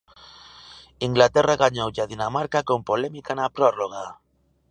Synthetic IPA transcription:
iŋɡlat̪eraɣaɲowʝaðinamaɾkako̞mpolemikanapɾoroɣa

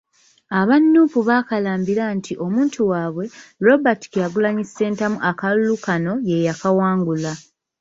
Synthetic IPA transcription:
aβanːuːfuβaːkalaːmbiɾantʰiʔo̞muːntʰuwaːβwe̞ɾo̞bati̥kjaɡulaɲise̞ːntamuʔakalulukano̞je̞jakawaːŋɡula

